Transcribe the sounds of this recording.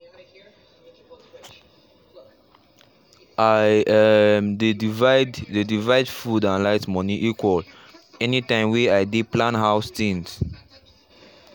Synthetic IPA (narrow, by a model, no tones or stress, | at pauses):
ʔajɛmdevaddedivaɪdfudãnlaɪtmɔniʔikwɔl | ɛnitãɪ̃mwɛajdiplãnɦaʊstĩŋs